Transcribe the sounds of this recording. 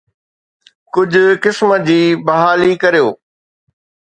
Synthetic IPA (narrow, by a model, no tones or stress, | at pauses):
kʊd͡ʑʱʊ̆kɪsməd͡ʑiːbɐɦaːlikɐɾijoː